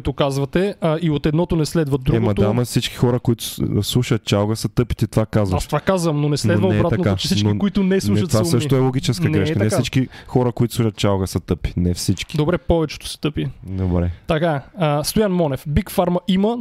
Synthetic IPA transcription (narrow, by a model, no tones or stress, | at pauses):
t̪ʊkazvɐt̪ɛəiot̪ɛd̪nɔt̪ʊnɛslɛd̪vɐd̪ɾuɛɡmɐd̪amɐfsit͡ʃki̥xɔɾəkoit̪ʊ̥slˠuʃɐt̪̚t͡ʃalˠɣəsɐt̪ɤpi̥t̪it̪ovakazvɐsʃt̪vakazvɐmnonɛsɛdvɐːɛbat̪ɐokaʊt͡ʃɛ̥sit͡ʃnkikoit̪ʊnɛslˠuʃɐt̪vaɛsəʃʃit̪oɛlˠoɡit͡ʃɛskənɡɛʃk̪ənɛfksait͡ʃkixɔɾəkoit̪ʊ̥sˠuʃət̪̚t͡ʃalɡəsɐt̪ɤpi̥nɛfsit͡ʃki̥d̪obɾɛpɔvɛt͡ʃɛ̥t̪ʊ̥sɛ̥t̪ɤpid̪obɾɛt̪ɐkaəst̪ojanmɔnɛfbikfaɾmɐʔimə